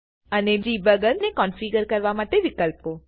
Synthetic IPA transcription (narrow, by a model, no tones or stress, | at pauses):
əned͡ʒibəɡəɾnekɔnfiɡəɾkəɾʋamaʈeʋikəlpo